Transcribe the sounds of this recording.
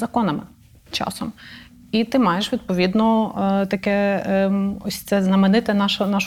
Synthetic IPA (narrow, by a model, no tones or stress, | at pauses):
zɐkɔnɐmɪ | t͡ʃɑ̰sɔm | it̪ɪmɑjeʃʋʲid̪̚pɔʋʲid̪nɔt̪ɐkɛ | ɔsʲt̪sɛznɐmɪnɪt̪ɪnɑʃɐnɑʃ